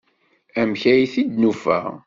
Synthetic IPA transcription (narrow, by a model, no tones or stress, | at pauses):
æmçæjiθid̪nufæ̰ʁ